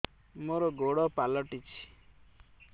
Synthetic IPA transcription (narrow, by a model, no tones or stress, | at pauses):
moɾɔɡoɽɔpalɔʈit͡ʃʰi̥